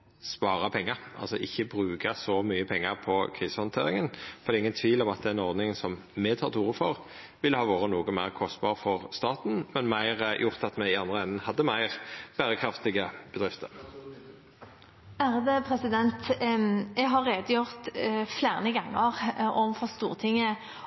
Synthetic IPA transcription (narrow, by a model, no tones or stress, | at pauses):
spɑːʁɑpʰɛŋːəɾʔɑ̰lsɔʔɪçːəbɾʉːɡəsɔmyːəpʰɛŋːəʁpʰɔkʰʁiːsəhɑnt̪ʰeːʁɪŋənffɔʁd̪ɛɪŋːənt̪ʰʋiːlɔmɑt̪̚d̪ɛɛnɔʁd̪nɪŋsɔm | mɛt̪ʰɑːʁt̪ʰuːʁəfɔʁ | ʋɪlhɑːʋoːʁənuːɡɔmæɪʁkʰɔst̪̚bɑːʁəfɔʁst̪ɑːt̪n̩mɛnmæɪʁjʔʊʁt̪ɑt̪mɛɪɑnd̪ʁəɛnːənhɑd̪ːəmæɪʁb̥æːʁəkʰɾɑft̪ɪɡəb̥əd̪ʁɪft̪ʰə̰ʁ | æɾd̪ɛpʰɾɛsɪd̪ɛnt̪ | ɛɡɦɑɾːeːd̪əjʊʁt̪fleːʁnəɡɑŋːəʁɔʋfɔst̪ṵːʁt̪ʰɪŋːə